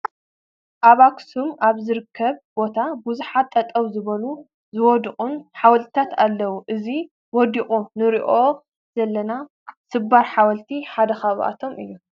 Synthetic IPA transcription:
ʔaβaksumaβzɨɾɨkʰːɐβb̥o̞t̪ʰabuzuħat̪ʼːɐt̪ʼːɐβzɨβɐlu | zɨwɔd̪ɨχʼunħawɐlt̪t̪ʰat̪alːɐwuʔɨzi | wɔd̪ikʼunɨɾiʔo̞ | zɐlːɐna | sɨbaɾħawɐlt̪ʰiħad̪ɐxaβʔa̰t̪ʰo̞mʔɨjːu

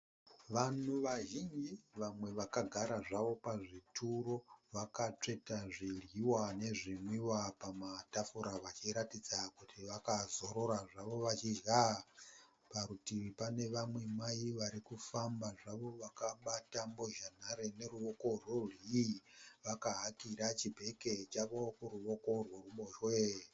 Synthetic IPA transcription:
ʋan̤uʋaʒind͡ʒiʋamwe̞ʋakaɡʱaɾaʐaʋo̞paʐitʰuɾo̞ʋakat͡ʂe̞taʐirjiwane̞ʐimwiwapamatafuɾaʋat͡ʃiɾatid͡zakutʰiʋakazo̞ɾo̞ɾaʐaʋo̞ʋat͡ʃid͡ʒɣa | paɾutipane̞ʋamwe̞maiʋaɾikufambaʐaʋo̞ʋakaɓatambo̞ʒan̤aɾene̞ɾuʋo̞ko̞rwori | ʋakaɦakiɾat͡ʃibʱe̞ke̞t͡ʃaʋo̞kuɾuʋo̞ko̞rworuɓoʃwe

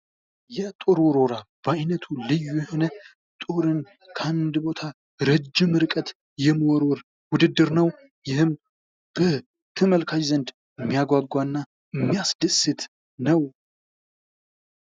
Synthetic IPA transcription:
jɛt̪ʼoɾwɔɾo̞ɾab̥əajnət̪ʰulɨjːujɛho̞nə | t̪ʼoɾɨn | kʰand̪bo̞t̪ʰa | ɾɨd͡ʒːɪmɨɾɨkʼət̪ | jɛmwɔɾwɔɾ | wʊd̪ɨd̪ːɨɾnəw | jɪhɨm | b̥ə | t̪ʰɨməlkʰad͡ʒzənd̪ | ɨmːijaɡʷaɡːʷanːa | ɨmːijasd̪əsɨt̪ | nəw

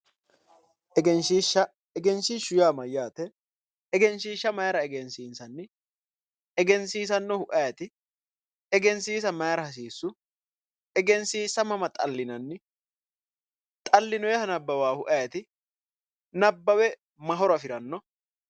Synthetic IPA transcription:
ɛɡɛnʃiːʃːɐ | ɛɡɛnsiːʃʊjaːmɐjaːt̪ɛ | ɛɡɛnʃiːʃːɐmɐjɐɾɐɛɡɛnsiːnsɐnːɪ | ɛɡɛnsiːs̬ɐnːɔhʊʔɐjɐt̪ɪ | ɛɡɛnsiːs̬ɐmɐjɐɾɐhɐs̬iːsːʊ | ɛɡɛnsiːsɐmɐmɐt̪ʼɐlːɪnɐnːɪ | t̪ʼɐlːɪnɔjɛhɐnɐbːɐwaːhʊʔɐjɐt̪ɪ | nɐbːɐwɛ | mɐɦɔɾɐfɪɾɐnːɔ

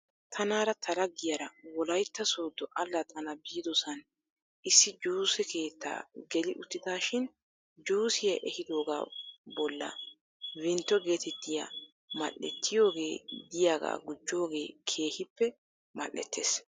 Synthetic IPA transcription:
t̪ʰɐnaːɾɐt̪ʰɐlɐɡːɪjɐɾɐwɔlɐjt̪ːɐsoːd̪ːɔʔɐlːɐt̪ʰɐnɐbiːd̪ɔsɐn | ʔɪsːɪd͡ʒuːsɛke̞ːt̪ːa̰ːɡɛlɪʔʊt̪ːɪd̪aːʃɪn | d͡ʒuːsɪjɐʔɛhɪd̪o̞ːɡa̰ːbɔlːɐ̰ | wɪnt̪ːɔɡe̞ːt̪ɛt̪ːɪja̰ | mɐ̰ʔːɛ̰t̪ːɪjo̞ːɡe̞̰ːd̪ɪjaːɡa̰ːɡʊd͡ʒːo̞ːɡe̞ːkʰe̞ːhɪpːɛ | mɐ̰ʔːɛ̰t̪ʰːḛːs

